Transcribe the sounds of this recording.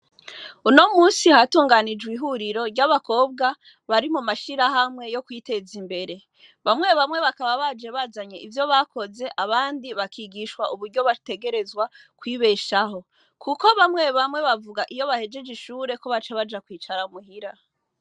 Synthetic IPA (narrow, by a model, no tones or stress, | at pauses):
uno̞muːnsihatuːŋɡanid͡ʒɡwiɦuɾiɾo̞ɾɟaβako̞ːbɡa | βaɾimumaʃiɾahamŋe̞jo̞kwite̞zimbe̞ɾe̞ | βamŋe̞βamŋe̞βakaβaβad͡ʒe̞βazaɲe̞ʔivjo̞βakʰo̞ze̞ʔaβaːndiβakʰiɡiʃwaʔuβuɾɟo̞βate̞ɡe̞ɾe̞zwa | kwiːβe̞ʃaɦo̞ | kʰuko̞βamŋe̞βamŋe̞βavuɡaʔijo̞βahe̞d͡ʒe̞d͡ʒiʃuːɾe̞ko̞βat͡ʃaβad͡ʒakwiːt͡ʃaɾamuɦiɾa